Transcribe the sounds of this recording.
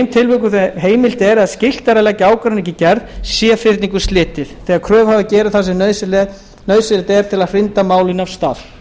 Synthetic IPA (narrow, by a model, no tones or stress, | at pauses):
jmt̪ʰɪlvʏːkʏθɦeːjmɪl̥t̪ɛɾaðscɪl̥t̪aɾalɛcːɪaːwkɾanicɪcɛɾðsjɛfɪrt̪niŋkʏ̥st̪lɪːt̪ɪθθɛːɣaɾkʰɾœːvhavðɪcɛːɾɪðθasɛnslɛ | nœɥsɪlɪt̪ɛɾ̥t̪ʰɪlaðr̥ɪnt̪amaːwlɪnav̥st̪a̰ːθ